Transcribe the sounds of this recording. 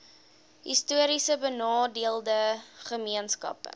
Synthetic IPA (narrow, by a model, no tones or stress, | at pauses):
ɦḭstuəɾisəbənɑːdiəlˠdəχəmiənskɐ̰pə̰